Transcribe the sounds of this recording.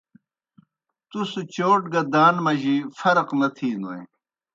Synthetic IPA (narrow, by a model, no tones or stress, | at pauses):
t̪usut͡ɕoːʈɡɐd̪aːnmɐʑifɐɾqnɐt̪ʰiːnoḛ